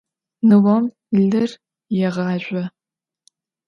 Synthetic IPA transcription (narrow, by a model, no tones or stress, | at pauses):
nɨwɔm | ɮɨr | jɛʁɑːʒʷɐ